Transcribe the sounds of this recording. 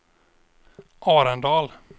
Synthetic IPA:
ʔɑːɾand̪ɑːl

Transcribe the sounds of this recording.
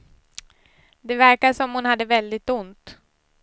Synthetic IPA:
d̪ɛvæɾkasɔmhʊnhad̪ːəvɛld̪ɪt̪ʊnt̪

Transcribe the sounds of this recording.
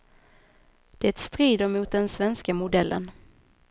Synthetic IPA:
d̪̥ɛɛt̪st̪ɾiːd̪əɾmʊːt̪̚d̪ɛnsvɛnskamʊd̪ɛlːʔə̰n

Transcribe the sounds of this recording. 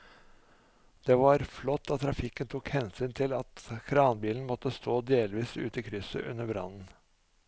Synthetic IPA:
d̪̥ɛːʋɑɾflɔt̪ːɑt̪ʰɾɑfɪkːənt̪ʰʊkhɛnsyːnt̪ʰɪlɑt̪kʰɾɑːnbiːln̩mɔt̪ːəst̪oːd̪eːlʋiːsʉ̰ːt̪əkʰɾʏsə̰ʔʉ̰nːəbɾɑ̰nn̩

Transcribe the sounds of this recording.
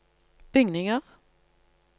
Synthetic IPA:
b̥ʏŋnɪŋəʁ

